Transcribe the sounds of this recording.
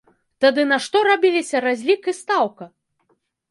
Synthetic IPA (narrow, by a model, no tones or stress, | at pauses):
t̪ad̪ɨnɐʂt̪ɔɾabʲilʲisʲɐɾazʲlʲikɨst̪awkɐ